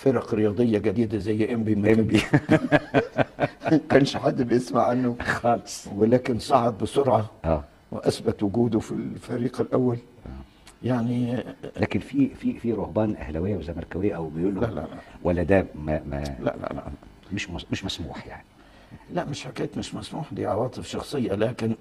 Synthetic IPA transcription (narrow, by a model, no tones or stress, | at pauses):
fɪɾˤɑqɾɪjɑːd̪ˤɨjːaɡæd̪iːd̪azæjːʔæmbimæmbi | kænʃħad̪ːbɪjɪsmaʕːanːʊxɑːlsˤwɪlæːkɪnsˤɑʕɑb̪̚bɪsʊɾʕɑʔæː | wɪʔæsbat̪wʊɡuːd̪ʊfilfaɾiːqɪlʔawːal | ʔ | jaʕnilæːkɪnfififiɾˤʊhbɑːnʔæ̰hlæwɪjːwɪzæjmɑɾˤkæwɪjːʔæwbɪjuːlːla̰la̰wʔælːæd̪æːmæmæ̰la̰ʔla̰a̰ | mɪʃmmɪʃmæsmuːħja̰ʕni | laʔmɪʃħakeːt̪mɪʃmæsmuːħd̪iːʕɑwɑːt̪ˤɨfʃɑxsˤɨjːalæːkɪn